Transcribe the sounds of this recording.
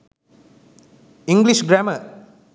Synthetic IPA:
ĩŋɡliʃɡɾæmə

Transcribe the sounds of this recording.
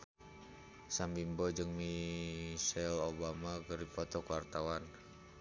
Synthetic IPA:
sambimbɔd͡ʒɨŋmi | sɛlobamakəripɔt̪ɔkuwart̪awan

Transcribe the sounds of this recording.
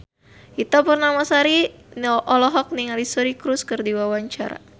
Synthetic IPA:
ʔit̪apɨrnamasaɾinɔʔɔlɔɦɔk̚niŋalisɔɾikɾuskɨrdiwawaɲt͡ʃa̰ɾa̰

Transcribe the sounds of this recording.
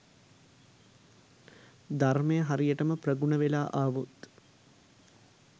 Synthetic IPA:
d̪armejəɦaɾijəʈəməprəɡuɳəʋelaːʔaːʋut̪

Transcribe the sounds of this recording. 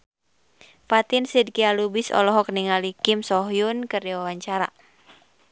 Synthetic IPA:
fat̪insid̚kialubisɔ̰lɔɦɔkniŋalikimsɔɦjunkɨrdiwawaɲt͡ʃaɾa̰

